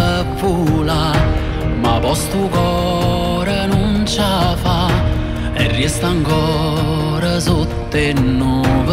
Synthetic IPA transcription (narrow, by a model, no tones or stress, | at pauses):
pːula | mavɔst̪ɾukɔ | ɾənunt͡ʃafa | ɛ̰rːiɛst̪aŋkɔ | ɾasut̪ːenːɔv